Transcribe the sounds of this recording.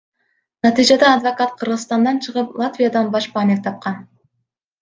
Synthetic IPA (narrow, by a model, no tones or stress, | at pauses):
nɑt̪ijd͡ʒɑd̪ɑːd̪vokɑt̪qʰɯɾʁɯzst̪ɑnd̪ɑnt͡ʃʰɯʁɯplˠat̪vʲijad̪ɑnbɑʃpɑːneft̪ʰɑp̚qɑn